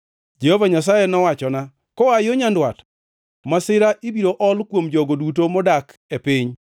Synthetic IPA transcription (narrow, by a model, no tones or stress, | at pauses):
d͡ʒehovaɲas̬ajɛnɔwat͡ʃɔna | kɔajoɲandwat | masɪɾaʔibiɾoʔɔlkwomd͡ʒɔɡodut̬omɔdakepɪɲ